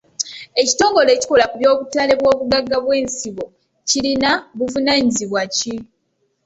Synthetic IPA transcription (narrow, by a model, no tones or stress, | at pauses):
e̞ci̥to̞ːŋɡo̞le̞ːci̥kolakuβjo̞ːβutale̞βwo̞ːβuɡaɡːaβwe̞ːnsiβo̞ | cilinaβuvunaːɲiziβwaci